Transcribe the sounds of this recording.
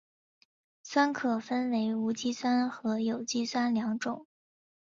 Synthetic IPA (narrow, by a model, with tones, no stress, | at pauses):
swa˥nkʰɤ˨˩fə˥nwe˧˥ɪu˧˥t͡ɕi˥swa˥nxɤ˧˥jo˨˩ʊt͡ɕi˥swa˥nljɑ˧˥ŋʈ͡ʂʊ˨˩˦ŋ